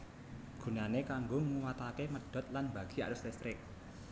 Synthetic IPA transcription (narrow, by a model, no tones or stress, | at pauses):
ɡ̥ṳnanekaŋɡoŋuwat̪akeməɖ̥ɔ̤t̪̚lanba̤ɡ̥i̤a̰ɾʊslɛst̪ɾɪk̚